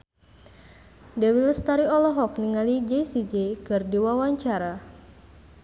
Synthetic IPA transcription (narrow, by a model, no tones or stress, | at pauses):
dɛwilst̪aɾiɔlɔɦɔk̚niŋalid͡ʒɛjsid͡ʒekɨrdiwawaɲt͡ʃaɾa